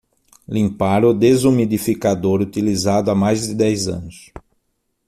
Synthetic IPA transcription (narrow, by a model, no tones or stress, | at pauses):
lĩmpaɾʊd̪ezumid̪ifikad̪oɾut̪ilizad̪ʊamajzd̪ɪd̪ɛjzɐ̰̃nʊs